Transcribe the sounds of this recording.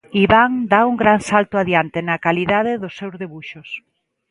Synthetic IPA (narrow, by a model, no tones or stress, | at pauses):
iβaŋd̪auŋɡɾansalt̪ʊaðjant̪ɪnɐkaliðaðɪðʊsːewzðeβuʃʊs